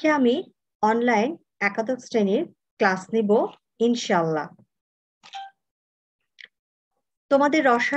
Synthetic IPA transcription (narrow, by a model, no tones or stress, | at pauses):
eami | ɔnlajn | ɛkat̪ok̪sɾeniɾ | klasnibo | inʃalːa̰ | t̪omad̪eɾːɔʃa